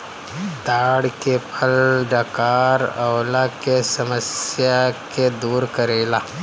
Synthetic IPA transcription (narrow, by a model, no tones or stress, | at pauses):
d̪aːɽkepʰɐlɖakaːɾɐːlakesɐməsjaked̪uːɾkɐɾeːlaː